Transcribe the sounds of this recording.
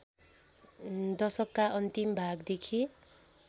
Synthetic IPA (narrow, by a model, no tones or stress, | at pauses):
d̪ʌsʌkːaʔʌnt̪imbʱaɡd̪ekʰi